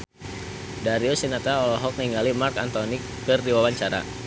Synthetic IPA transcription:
daɾiosinat̪aɔlɔɦɔk̚niŋɡalimarkant̪ɔni | kərdiwawaɲt͡ʃaɾa̰

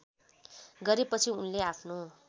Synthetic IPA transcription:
ɡʌɾepʌt͡sʰiunleapʰno

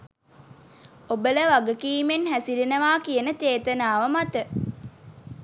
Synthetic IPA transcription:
obələʋaɡəkiːmenɦæsiɾinəʋaːkijənət͡ʃeːt̪ənaːʋəmat̪ə

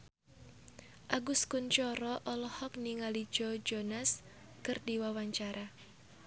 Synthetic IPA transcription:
ʔaɡʊskʊnt͡ʃɔɾɔʔɔlɔhɔk̚niŋalid͡ʒɔd͡ʒɔnas | kɨrdiwawaɲt͡ʃaɾa

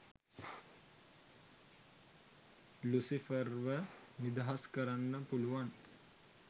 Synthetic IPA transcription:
lusifərʋənid̪aɦaskəɾanːəpuluʋan

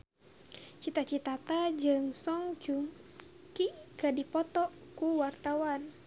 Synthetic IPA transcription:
t͡ʃit̪at͡ʃit̪at̪ad͡ʒɨŋsɔŋt͡ʃum | kikədipɔt̪ɔkuwart̪awan

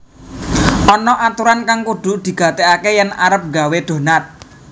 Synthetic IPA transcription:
ʔɔnɔʔat̪uɾankaŋkuɖ̪̥ʊ̤ʔd̪̥i̤ɡ̥a̤t̪eakejɛna̰ɾəp̚ŋɡaweɖ̪̥o̤nat̪̚

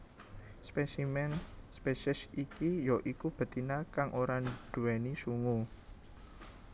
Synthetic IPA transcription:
spesimɛnspesɪsikijɔʔikub̥ə̤t̪inakaŋʔoɾanɖ̥ṳwɛnisuŋu

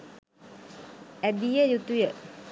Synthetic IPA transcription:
æbijəjut̪ujə

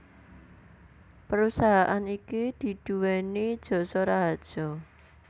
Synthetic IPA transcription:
pəɾusaɦaʔanikid̪̥i̤d̪̥ṳwɛnid̥ʒ̥ɔ̤sɔɾaɦad̥ʒ̥ɔ̤

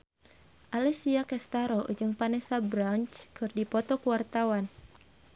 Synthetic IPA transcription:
ʔalɛsiakɛst̪aɾɔ̰d͡ʒɨŋpanɛsabɾant͡ʃkɨrdipɔt̪ɔkuwart̪awan

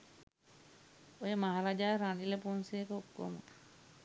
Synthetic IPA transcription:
ojəmaɦaɾad͡ʒaːɾaniləpunsijekəokːo̰mə

